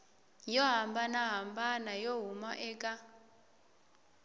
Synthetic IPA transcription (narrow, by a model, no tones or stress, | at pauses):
jɔɦambanaɦambanajɔɦumɔʔɛːkʼa